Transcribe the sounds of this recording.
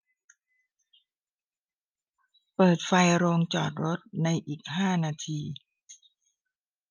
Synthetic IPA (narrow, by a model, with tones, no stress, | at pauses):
pɤː˨˩t̪̚fa˧jɾoː˧ŋt͡ɕɔː˨˩t̪̚ɾo˦˥t̪̚na˧jʔiː˨˩k̚ɦaː˥˩naː˧t̪ʰiː˧